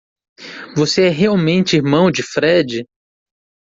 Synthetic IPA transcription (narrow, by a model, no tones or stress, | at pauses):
voseɛɦeawmẽnt͡ʃɪiɾmɐ̃w̃d͡ʒɪfɾɛd͡ʒɪ